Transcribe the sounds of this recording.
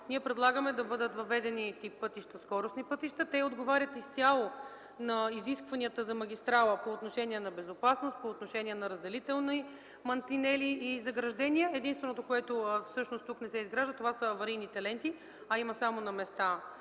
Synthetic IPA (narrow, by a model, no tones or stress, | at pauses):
niɛpɾɛd̪lˠaɡəmɛd̪ɐbɤd̪ət̪vɐvɛd̪ɛnit̪ipːɤt̪iʃt̪əskɔɾʊsnipɤt̪iʃt̪ət̪ɛod̪ɡovaɾʲət̪ist̪ʲalˠo | nɐiziskvɐniət̪əzɐmɐɡʲist̪ɾalˠəpoːt̪noʃɛnʲiɛnɐbɛzopasnost̪̚poːt̪noʃɛniɛnɐɾəzd̪ɛlit̪ɛlˠni | mɐnt̪inɛliːzɐɡɾɐʒd̪ɛniəɛd̪inst̪vɛnot̪okoɛt̪ofsɤʃnost̪uknɛsɛizɡɾaʒd̪ət̪ovasəːvɐɾijnit̪ɐlɛnt̪i | ɐiməsamonɐmɛst̪a